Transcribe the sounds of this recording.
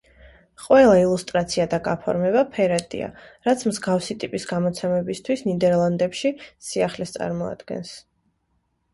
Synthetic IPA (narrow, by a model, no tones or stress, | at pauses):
qʼwɛlˠailˠust̪ʼɾat̪sʰiad̪aɡapʰɔ̰ɾmɛβapʰɛɾat̪ʼḭa̰ɾat̪sʰmzɡafsit̪ʼipʼisɡamɔt̪sʰɛmɛbist̪ʰwisnid̪ɛɾlˠand̪ɛpʃisiaχlɛst̪sʼa̰ɾmɔa̰d̪̥ɡɛ̰ns